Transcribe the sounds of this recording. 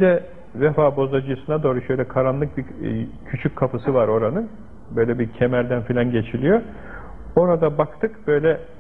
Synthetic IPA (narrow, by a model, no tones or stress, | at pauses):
bid̪ɛ | vefaːbo̞zad͡ʒɯjsɯnad̪o̞ːɾuʃø̞jlʲɛkʰaɾanlˠɯk̚bicʰyt͡ʃʰycʲkʰːafɯsɯvaɾo̞ɾanɯn | bø̞jlʲɛbicʰemæɾd̪ænfilʲanɟe̞t͡ʃʰilʲijo̞ | o̞ɾad̪abakt̪ʰɯkb̥ø̞jlʲɛ